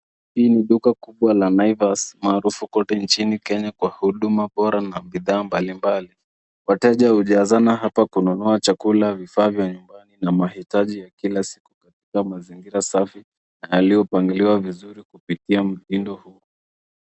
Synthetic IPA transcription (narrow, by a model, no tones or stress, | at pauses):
hiːniɗukakuɓwalanaivasmaːɾufukɔtɛnt͡ʃinikɛɲakwahuɗumaɓɔɾanaɓiðaːmbalimbali | watɛʄahuʄazanaɦapakununɔat͡ʃakulavifaːvjaɲumbaninamahitaʄijakilasi̥kukatikamaziŋɡiɾasafi | najalijɔpaŋɡiliwavizuɾikupitiam̩zindɔhuɔ